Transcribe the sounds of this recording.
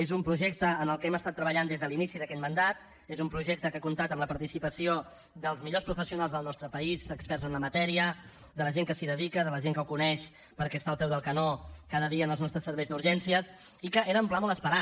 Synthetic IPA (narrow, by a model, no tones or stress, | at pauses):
ezumpɾuʒɛk̚t̪əːnəlˠkɛməst̪at̪ːɾəβəʎand̪ezðəlinisiðəkɛt̪mənd̪at̪ | ezumpɾuʒek̚t̪əkakunt̪at̪əmləpɐɾt̪isipəsio | d̪əlˠzmiʎospɾufəsiunalˠzðəlˠnɔst̪ɾəpəizəkspɛrzənləmət̪ɛɾiə | d̪ələʒeŋkəsiðəðikəðələʒeŋkəwkunɛʃ | pəɾkɛst̪aːlˠpɛwðəlˠkənokaðəðiəːnəlznɔst̪ɾəsəɾβɛjzd̪uɾʒɛnsiəs | ikəʔeɾəːmplamɔləspəɾa